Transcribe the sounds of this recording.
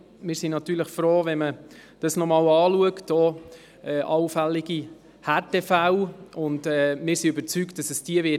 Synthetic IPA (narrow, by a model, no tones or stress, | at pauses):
mɪːɾsinɑt̪yːɾləχfɾoːvɛnməd̥ɑsnɔmɑːwɑːluəkto | ɛʔɑwfælːɪɡ̥i | hæːtefæwʊndɛːmɪːɾsiøbəɾt͡sykt̚d̥ɑsəsd̥iəʋɪ